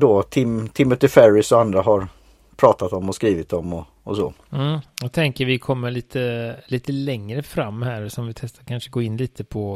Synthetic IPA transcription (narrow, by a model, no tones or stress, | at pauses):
d̪oːt̪ʰɪmt̪ʰɪmːʊt̪ɪfæɾɪsɔand̪ɾaɦaɾ | pʰɾɑːt̪at̪ɔmːɔskɾiːvɪt̪ɔmːɔ | ɔsɔ̰ːm̩ːjat̪ʰɛŋkəɾvɪkʰɔmːəɭiːt̪ʰəliːt̪əlɛŋɾəfɾamːhæːɾsɔmvɪt̪ʰɛst̪aɾkʰanʂəɡoːɪnːliːt̪əpʰɔ